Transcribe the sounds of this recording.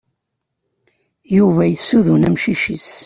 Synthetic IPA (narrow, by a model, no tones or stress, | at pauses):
juvæjəsːuðunæmʃiʃis